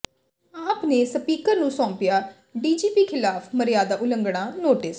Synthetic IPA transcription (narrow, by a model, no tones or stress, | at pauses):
aːpneːsəpiːkəɾnũːsɔ̃ːmpɪjaː | ɖiːd͡ʒiːpiːkʰɪlaːpʰməɾjaːd̪aːʔʊləŋɡɽaːnoːʈɪs